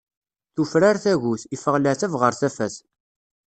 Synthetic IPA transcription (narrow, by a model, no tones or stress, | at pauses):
θufɾaɾθæʝuθifəʁlæθævʁəɾθæfæθ